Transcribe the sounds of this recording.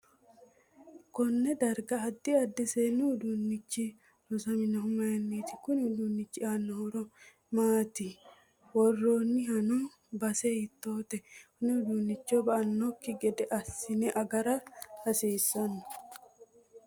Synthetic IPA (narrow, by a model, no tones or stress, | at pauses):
kɔnːɛd̪ɐɾɡɐɐd̪ːɪɐd̪ːɛseːnːʊhʊd̪unːɪt͡ʃːi | nʊsɐmɪnɐɦʊmɐjɛnːiːt̪ɪkʊnʊd̪uːnːɪt͡ʃːɪaːnːɔhɔɾɔ | maːt̪ɪ | wɔrːoːnːɪɦɐnu | bɐsɛɪt̪ːoːt̪ɛkʊnːɛʊd̪unːɪt͡ʃːobɐʔɐnːɔkːɪɡɛd̪ɛʔɐsɪnɛʔɐɡɐɾɐɐsiːsːɐnːʊ̥